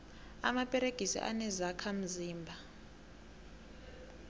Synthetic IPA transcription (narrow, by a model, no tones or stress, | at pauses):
a̰mapʼɛɾeɡ̥ʱisḭʔa̰nɛzakʰam̩ziːmbʱa